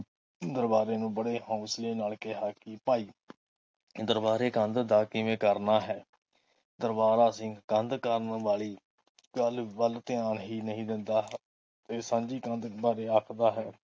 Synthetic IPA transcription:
d̪əɾbaːɾeːnũːbəɽeːhãːsleːnaːlkɛɦaːkɪpaːiː | d̪əɾbaːɾeːkənd̪d̪aːkɪʋẽːkəɾnaːɦɛː | d̪əɾbaːɾaːsĩːkənd̪kəɾənʋaːɭiː | ɡəlbəlt̪ɪaːɳɦiːnəɦĩːd̪ɪnd̪aː | t̪eːsãːnd͡ʒiːkə̃nd̪baːɾeːaːkʰd̪aːɦɛː

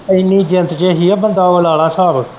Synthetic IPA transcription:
əɪnːiːd͡ʒɪnt̪t͡ʃeːɦiːabənd̪aːoəlaːɽaːsaːbək

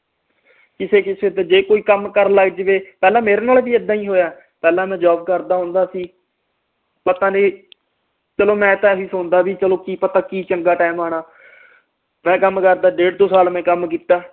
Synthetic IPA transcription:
kɪseːkɪseːt̪eːd͡ʒeːkoːiːkəmkəɾləɡd͡ʒʋeːpɛːlãːmeːɾeːnaːlbiːəd̪ːãːĩːɦoːjaː | pɛːlãːmɛ̃ːd͡ʒaːb̚kəɾd̪aːɦõːnd̪aːsĩː | pət̪ãːnẽː | t͡ʃəlõːmɛ̃ːt̪ãːʋiːsõːnd̪aːbiːt͡ʃəlõːkiːpət̪ãːkiːt͡ʃəŋɡaːʈaːmaːnaː | mɛ̃ːkəmkəɾd̪aːɖeːʈ̚d̪oːsaːlmɛ̃ːkəmk̬iːt̪aː

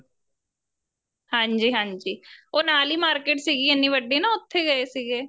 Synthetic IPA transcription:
hãːɲd͡ʒiːɦãːɲd͡ʒiːoːnaːliːmaːɾkeːʈsiːɡiːenːiːʋəɖiːnãːʊt̪ʰːeːɡəeːsiːɡeː

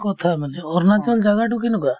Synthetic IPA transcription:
kɔt̪ʰameliɔɾnat̪iɔnd͡ʒaɡaʈukinuka

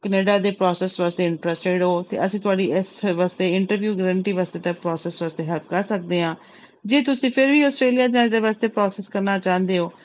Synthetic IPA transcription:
kəneːɖaːd̪eːpɾɔːsɛːsʋaːst̪eːɪɳʈɾəsʈeɖɦoːt̪ḛːʔəsĩːt̪ʊaːɖiːɪsʋaːst̪eːɪɳʈəɾʋjuːɡəɾəɳʈiːʋaːst̪eːt̪ãːpɾɔːsɛːsʋaːst̪eːɦəlpkəɾsək̚d̪eːɦãː | d͡ʒeːt̪ʊsĩːpʰɪɾʋiːɔːsʈɾeːlijaːd͡ʒãːd̪eːʋaːst̪eːpɾɔːsɛːskəɾnaːt͡ʃãːnd̪eːoː

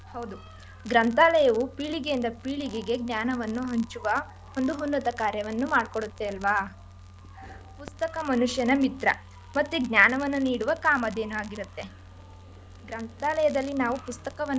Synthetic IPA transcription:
hɐwd̪u | ɡɾɐnt̪aːlɐjɐʋupiːɭiɡejind̪ɐpiːɭiɡeɡe̞ɡnjaːnɐʋɐnːuɦɐɲt͡ʃuʋɐ | ond̪uɦunːɐt̪ɐkaːɾjɐʋɐnːumaːɖkoɽut̪ːeɐlʋaː | pust̪ɐkɐmɐnuʂjɐnɐmit̪ɾɐ̰ | mɐt̪ːuɡnjaːnɐʋɐnːuniːɽuʋɐkaːmɐd̪e̞ːnuaːɡiɾut̪ːe̞ | ɡɾɐnt̪aːlɐjɐd̪ɐlːinaːʋupust̪ɐkɐʋɐn

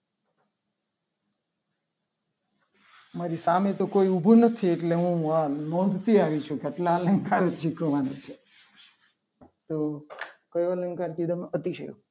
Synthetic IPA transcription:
maɾisamet̪okoiubʱunət̪ʰieʈleɦũanɔ̃nd̪ʱt̪iaʋit͡ʃʰukeaʈlaələŋɡkaɾt͡ʃʰikəʋanet͡ʃʰe | t̪okəjoələŋɡkaɾkid̪əmət̪iʃḛjo̰

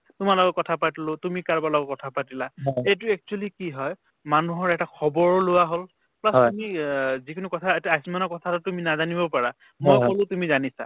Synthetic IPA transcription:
tʊmalɔɡɔkːɔtʰapatilʊtumikaɹbalɔɡɔkːɔtʰapatilaejt̬uɛk̚t͡ʃualikiɦɔj | manuɦɔɹɛtakʰɔbɔɹɔlʊwaɦol | plasumizikʰinukɔtʰaetaajsmanɔkɔtʰatʊtuminazanibɔpaɹa | mɔjkɔlʊtumizanisa̰

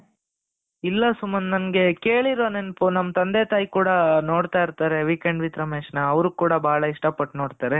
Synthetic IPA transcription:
ilːɐsumːɐnnɐnɐɡe̞ke̞ːɭiɾoːnenɐpunɐmːɐt̪ɐnd̪eːt̪aːjikuːɽɐnoːɽt̪aːjiɾt̪aːɾe̞ʋiːkeɳɖʋit̪ɾɐmeːʂnɐːʋɾukuːɽɐbʱaːɭɐiʂʈɐpɐʈːno̞ːɽt̪aːɾe̞

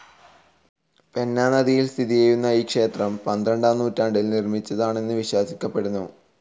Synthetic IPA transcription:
pe̞nːaːnɐðijilst̪ʰiðijejunːɐiːkʂe̞ːt̪rɐmpɐnd̪ɾɐɳɖaːnːuːtːaːɳɖilnirmit͡ɕːɐðaːɳe̞nːɨʋiɕwaːsikʲːɐpːe̞ɽunːu

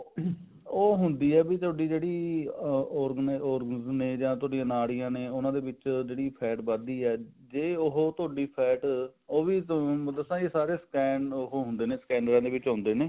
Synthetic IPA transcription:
oːɦʊnd̪iːɛːbiːt̪ʊaːɖiːd͡ʒeːɽiː | ɔːɾɡnɔːɾɡənɪzneːd͡ʒãːt̪ʊaːɖijãːnaːɽijãːneːʊnãːd̪eːʋɪt͡ʃd͡ʒeːɽiːpʰɛːʈbəd̪iːɛːd͡ʒeːʊɦoːt̪ʊaːɖiːpʰɛːʈoːʋiːd̪əsãːd͡ʒeːsaːɾeːskɛːnɦoːɦʊ̃nd̪eːneːskɛːɳɖɾãːd̪eːʋɪt͡ʃɦʊ̃nd̪eːneː

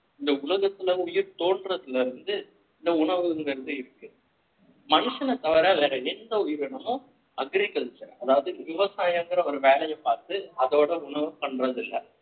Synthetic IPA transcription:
ɪnd̪ɐʊlɐɣɐt̪ːɪlɐʊjɪɾt̪oːɳɖrɐðɪlɐɾɯnd̪ɯ | ɪnd̪ɐʊɳɐʋɯŋɡɐɾɯnd̪ɯɪɾɯkːɯ | mɐnɯʂɐnɐt̪ːɐʋɐɾaːlɐɾɐɛnd̪ɐʊjɪɾɐɳɐmõ | ɐɡɪɾɪkːɐlt͡ʃːɐɾɐðaːʋɐðɯʋɪʋɐsaːjaŋɡɐɾɐɔɾɯʋeːlɐjɐpːaːɾt̪ɯɐðoːɽɐʊɳɐʋɯpɐɳɖrɐðɪlːɐ

